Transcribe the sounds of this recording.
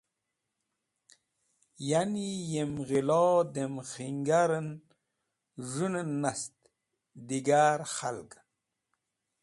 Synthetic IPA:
janijemɣilɔːd̪emxiŋɡaɾən | ʐunənːast̪ | d̪iɡaːɾxalɡ

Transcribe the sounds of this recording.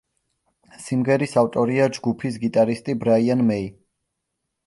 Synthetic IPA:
simʁɛɾisaft̪ʼɔɾiad͡ʒɡupʰis̬ɡit̪ʼaɾist̪ʼibɾaianmɛi

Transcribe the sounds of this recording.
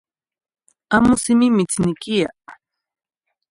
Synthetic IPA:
amʊsɪmɪmɪt͡snɪkija̰

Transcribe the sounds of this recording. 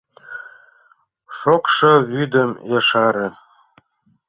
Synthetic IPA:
ʃokʃɤβyd̪əmjeʃɑɾĕ

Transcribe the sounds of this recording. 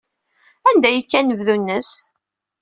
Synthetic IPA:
ænd̪æjəkːænəvðunːəs

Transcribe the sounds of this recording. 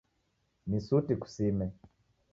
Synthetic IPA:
nisutiku̥simɛ

